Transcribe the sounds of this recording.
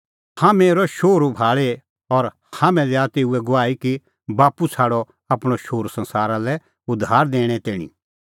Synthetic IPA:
hãmeːɾɔʃoːɾubʱaːɭe | ɔɾ | hãːmɛ̃lɛat̪eːuɛɡʊʋaːiki | baːpusʰaːɽɔ | ɐpɽ̃ɔʃoːɾsɐ̃nsaːɾalɛ | ʊd̪ʱaːɾd̪eːɽ̃ɛt̪eːɽ̃ḭ̃

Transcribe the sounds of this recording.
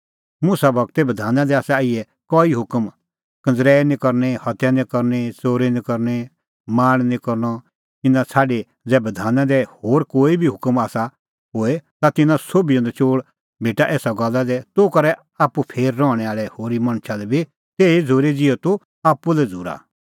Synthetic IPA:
mʊsabʱɐɡ̚t̪ɛbɐd̪ʱaːnãd̪ɛaːsɛaiɛ | kɔːiɦʊkəm | kɐ̃d͡zɾɛːnĩkɐɾnehɐt̪janĩkɐɾnet͡soːɾenĩkɐɾnɛ | maːɽ̃nĩkɔɾnɔ | t̪ɪnãt͡sʰaːɖe | d͡zɛːbɐd̪ʱaːnãd̪ɛhoːɾkoːibʱiɦʊkəmaːsa | ɦoːet̪at̪ɪnãsoːbijɔ̃nd̪ɛt͡ʃoːɽ | bʱeːʈaʔɛːsaɡɔlːad̪ɛt̪okɐɾɛ | aːpːupʰeːɾːɔːɽ̃ɛaːɭɛhoːɾimɐ̃ɽ̃t͡ʃʰad̪ɛbʱi | t̪eːid͡zʱoɾed͡zɪot̪u | aːpːulɛd͡zʱuːɾa̰

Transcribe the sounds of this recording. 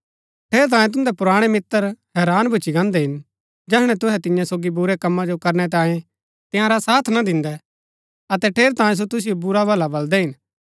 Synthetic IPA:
ʈʰeːɾt̪̬ãːjẽt̪̬ʊ̃nd̪ɛpʊɾaːɽ̃ɛmɪt̪ːəɾhɛːɾaːnbʱʊt͡ʃiɡãːnd̪ɛɦɪn | d͡ʒɛːɦɽ̃ɛ̃t̪ʊɦɛt̪ɪjãsoːɡibʊɾɛkɐmːad͡ʒokɐɾñɛt̪̬ãːjẽ | t̪ɪ̃jãɾasaːt̪ʰnad̪ɪ̃nd̪ɛ | ɐt̪ɛʈʰeːɾt̪aːjẽs̬ot̪ʊs̬ijobʊɾabʱɐlabɐld̪ɛɦɪn

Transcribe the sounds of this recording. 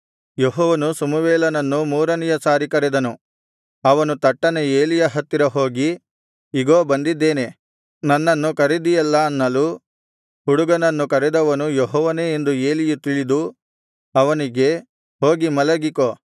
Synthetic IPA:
joɦɔːʋɐnusɐmuʋeːlɐnɐnːumuːɾɐnijɐsaːɾikɐɾɛd̪ɐnu | ɐʋɐnut̪ɐʈːɐnee̞ːlijɐɦɐt̪ːiɾɐɦoːɡi | iɡoːbɐnd̪id̪ːeːne̞ | nɐnːɐnːukɐɾid̪ijɛlːɐːnːɐlu | huɽuɡɐnɐnːukɐɾɛd̪ɐʋɐnujoɦɔːʋɐneend̪ue̞ːlijut̪iɭid̪u | ɐʋɐniɡe̞ | ɦo̞ːɡimɐlɐɡiko

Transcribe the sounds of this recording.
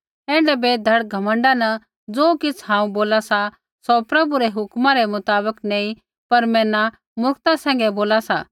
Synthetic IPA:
ɛ̃ːɳɖɛbed̪ʱɐɽɡʱɐmə̃ɳɖanɐ | d͡zoːkɪt͡sʰɦãːũboːlasa | sopɾɐbuɾɛɦʊkmãɾɛmʊt̪aːbəknɛ̃ːĩ | pɐɾmɛ̃ːna | mʊkt̪asɛ̃ːŋɡɛboːlasa

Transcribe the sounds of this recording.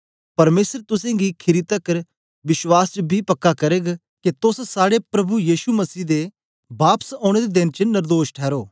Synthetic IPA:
pɐɾmeːsəɾt̪ʊsẽɡikʰɪɾit̪əkəɾ | ʋɪswaːst͡ʃəbʱipɐkːakɐɾeːɡ | ket̪ʊssaːɽepɾɐbujiːʃumɐsiːd̪e | baːpsɔ̃ːɽ̃ed̪ed̪ɪnt͡ʃənɪɾd̪oːʃʈʰɛːɾoː

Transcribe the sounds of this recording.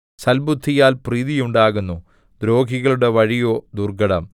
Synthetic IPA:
sɐlbud̪ʱːijaːlpriːðijuɳɖaːɣunːu | d̪ɾo̞ːɡʱiɣɐɭuɽe̞ʋɐɻijo̞ːd̪urɡɐɽɐm

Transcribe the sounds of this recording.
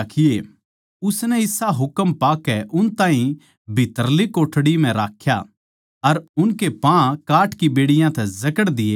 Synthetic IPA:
kʰɪje | ʊsnɛɪsaɦʊkəmpaːkɛʔʊnt̪ãːɦĩ | bʱɪt̪əɾlikoːʈʰɽim̤ɛ̃ɾaːkʰja̰ | ɐɾʊnkepãkaːʈkibeːɽɪjãt̪ɛzɐkəɽd̪ɪje

